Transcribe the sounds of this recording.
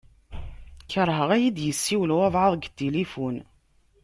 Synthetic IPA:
çəɾˤɦəʁæjid̪jəsːiwlwævʕəðˤɡt̪ːilifun

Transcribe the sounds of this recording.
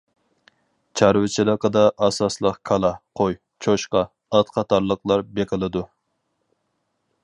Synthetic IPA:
t͡ʃʰɑɾwɪt͡ʃʰɪlˠəqəd̪ɑʔɑsɑslˠəqkʰɑlˠɑqʰoj | t͡ʃʰoʃqɑː | t̪qʰɑt̪ʰɑɾlˠəqlˠɑɾbeqʲɪlˠɨd̪u

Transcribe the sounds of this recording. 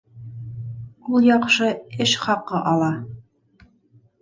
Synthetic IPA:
ulˠjɑqʃɤɘʃχɑqːɤʔɑlˠɑ

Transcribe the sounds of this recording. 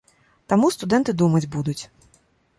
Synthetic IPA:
t̪amust̪ud̪ɛnt̪ɨd̪umɐd͡zʲbud̪ut͡sʲ

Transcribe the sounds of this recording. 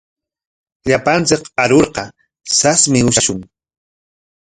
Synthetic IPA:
ʎapant͡sɪkaɾoɾqɑ | sasmɪʊʃaʃʊŋ

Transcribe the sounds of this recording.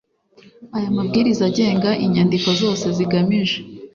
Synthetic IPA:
ajamub̚ɡiːɾizaɟe̞ːŋɡaʔiɲandiko̞zo̞ːse̞ziɡamiʒe

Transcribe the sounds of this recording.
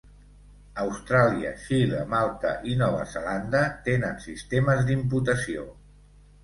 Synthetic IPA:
əwst̪ɾaliə̰ʃiləmalˠt̪ə̰ʔinɔβə̰zəland̪ət̪enənsist̪eməzd̪imput̪əsio̰

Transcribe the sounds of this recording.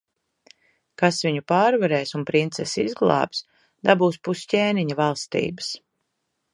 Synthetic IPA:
kasviɲupaːɾvaɾɛːsunpɾint̪sɛsizɡlˠɑ̰ːps | d̪abuːspuscʲeːniɲɐvɑlˠst̪ḭːbə̥s

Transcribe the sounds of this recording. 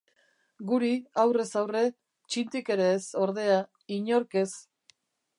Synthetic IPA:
ɡuɾiawre̞sawre̞ | t͡ʃint̪ike̞ɾeːso̞ɾðe̞a | iɲo̞ɾke̞s

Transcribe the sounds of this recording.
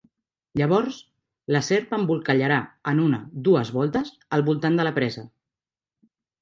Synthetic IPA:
ʎəβ̞ɔɾs | ləsɛɾpəmbulˠkəʎəɾaənunəd̪uəzβɔlˠt̪əz | əlˠβulˠt̪and̪ələpɾɛzə

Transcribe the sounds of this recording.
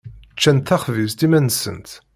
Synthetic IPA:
t͡ʃːænt̪ːæχvizt̪imænsə̰nt̪

